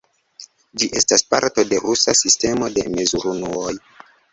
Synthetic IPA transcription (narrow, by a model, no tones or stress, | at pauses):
d͡ʒiʔe̞staspa̰ɾto̞de̞ɾusasiste̞mo̞de̞̰me̞zuɾunuoj